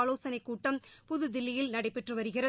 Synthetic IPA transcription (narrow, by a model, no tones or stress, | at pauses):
loːsɐnɐɪkːuːʈːɐmpʊðɯd̪ɪlːɪjɪlnɐɽɐɪpːɛʈrɯʋɐɾɯɣɪrɐ